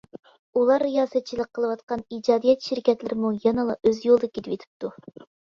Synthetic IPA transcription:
ulˠɑɾːijɑːsɛt̪̚t͡ʃʰilˠəqʰːəlˠɨəwɑt̪qɑnid͡ʒɑːd̪ijɛt̪ʃiɾkʲɛt̪lɪɾɪmujɑnɨlˠɑʔøzjolˠd̪ɨkʲit̪ʰɪpet̪ʰɪ̥p̚t̪ʰu

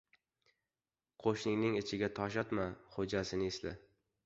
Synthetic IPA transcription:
qʰoʃnɪŋnɪŋɪt͡ʃʰɪɡʲat̪ʰɒʃ̬at̪maχod͡ʒasɪnɪɪslɪ̰

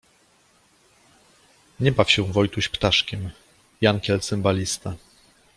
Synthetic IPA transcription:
ɲɛbafɕɛw̃vɔjt̪uɕpt̪aʂkʲɛm | jankʲɛlt̪sɛmbalʲist̪a

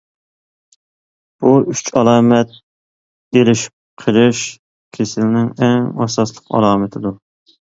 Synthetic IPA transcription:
b̥uyt͡ʃɑlˠɑːmɛt̪̚ | elɪʃi̥p̚qʰəlˠɪʃ | kʲʰesɪlnɪŋɛŋɑsɑslˠəqɑ̰lˠɑːmɨt̪ʰɪd̪u

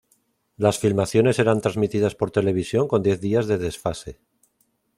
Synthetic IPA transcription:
lasfilmaθjo̞ne̞se̞ɾant̪ɾazmit̪iðaspo̞ɾt̪e̞le̞β̞isjo̞ŋko̞nd̪je̞θðiazðe̞ðe̞sfase̞

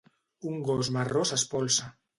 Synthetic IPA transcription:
uŋɡozmarosaspolsa

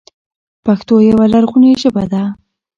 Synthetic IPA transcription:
paxt̪ojawalaɾɣuneʒəbad̪a

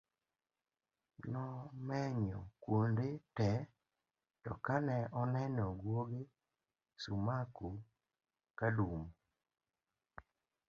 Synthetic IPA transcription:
nɔmɛɲɔkwondetɛ | tɔkanɛʔɔnɛnɔɡwoɡe | sumaku | kalum

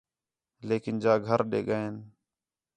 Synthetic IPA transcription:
leːkɪnd͡ʒaːɡʱəɾɗḛːɡəeːn

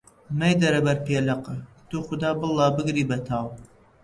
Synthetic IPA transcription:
mɛjd̪ɐɾɐbɐɾpʰelɐqɨt̪uːxʊd̪ɑːbɨlˠːɑːbɨɡɾiːbɐt̪ʰaːw

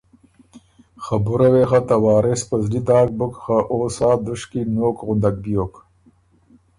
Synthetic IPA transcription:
xabuɾɐwexat̪ɐwɑːɾespɐzlid̪ɑːk̚bʊkxaʔoːsɑːd̪uʂkinoːkɣʊnd̪ak̚bijoːk

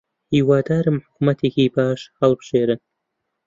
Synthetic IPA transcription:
hiːwaːd̪aːɾɨmħʊkumɐt̪ʰeːkʲibaːʃhɐlˠbʒ̥eːɾɨ

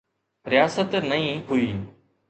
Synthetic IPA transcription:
ɾɪjaːsət̪nəĩːɦuiː

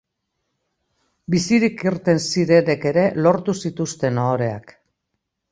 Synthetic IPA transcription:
bisiɾikiɾt̪e̞nsiɾe̞ne̞ke̞ɾe̞lo̞ɾt̪usit̪ust̪e̞noːɾe̞a̰k

